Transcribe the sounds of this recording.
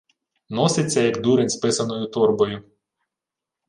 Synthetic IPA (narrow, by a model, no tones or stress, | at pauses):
nɔsʲɪt͡sʲːɐjɐkd̪uɾɪnʲspɪsɐnɔjʊt̪urbɔjʊ